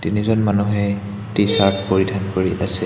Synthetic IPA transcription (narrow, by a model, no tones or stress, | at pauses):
tinizɔnmanuɦɛ | tisappoɹidʱankoɹiʔasɛ